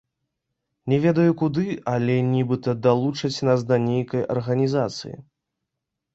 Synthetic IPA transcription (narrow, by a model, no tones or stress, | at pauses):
nʲɛvʲɛd̪ɐjukud̪ɨʔɐlʲɛnʲibɨt̪ɐd̪alˠut͡ʂɐt͡sʲnasd̪ɐnʲejkɐjɐ̰rɣɐnʲizat̪sɨ̰jḭ